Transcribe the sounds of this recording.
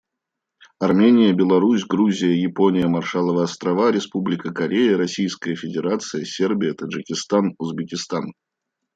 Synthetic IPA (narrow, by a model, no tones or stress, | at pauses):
ɐrmʲenʲɪjəbʲɪlˠɐɾusʲɡɾuzʲɪjəjɪponʲɪjəmɐrʂalˠəvəɐst̪ɾɐvaɾʲɪspublʲɪkəkɐɾʲejəɾɐsʲijskəjəfʲɪdʲɪɾat̪sɨjəsʲerbʲɪjət̪əʐɨkʲɪst̪anʊzbʲɪkʲɪst̪an